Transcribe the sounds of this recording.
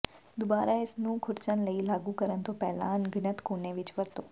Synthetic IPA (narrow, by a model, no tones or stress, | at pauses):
d̪obaːɾaːɪsnũːkʰʊɾt͡ʃənləiːlaːɡuːkəɾənt̪õːpɛːlã̰ːnɡɪnət̪koːneːʋɪt͡ʃʋəɾt̪õː